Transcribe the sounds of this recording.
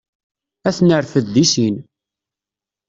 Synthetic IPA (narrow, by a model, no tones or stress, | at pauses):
æθnəɾfəðd̪isin